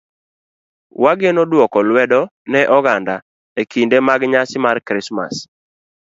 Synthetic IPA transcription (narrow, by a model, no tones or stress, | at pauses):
waɡenɔdwɔkɔlwɛdɔnɛʔɔɡanda | ekindemaɡɲasɪmarkɾɪsma̰s